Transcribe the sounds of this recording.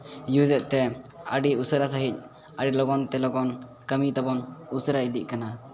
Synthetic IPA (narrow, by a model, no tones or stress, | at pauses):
jud͡ʒɛt̪̚t̪ɛəɖiusəɾasəɦic̚ | əɖilɔɡɔnt̪ɛlɔɡɔn | kəmit̪abɔnusəɾaid̪iʔ̚kana